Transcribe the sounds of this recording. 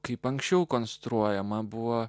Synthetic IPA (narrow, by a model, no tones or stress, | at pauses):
kɐɪpɐŋksʲt͡ʃʲɛʊkonst̪ɾuɔjɛmɐbʊʋo